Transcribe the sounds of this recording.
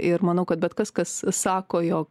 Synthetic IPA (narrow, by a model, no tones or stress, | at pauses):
ɪɾmɐnɐʊkɐt̪̚bʲɛt̪kɐskɐssɑːkoːjoːk